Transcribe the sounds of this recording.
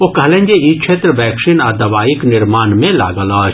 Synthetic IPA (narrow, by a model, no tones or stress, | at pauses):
okɐɦlẽɲʲd͡ʒeit͡ʃʰeːt̪ɾəʋɛːkʃinaːd̪ɐʋaːiknɪɾmaːnmẽla̰ːɡəlaː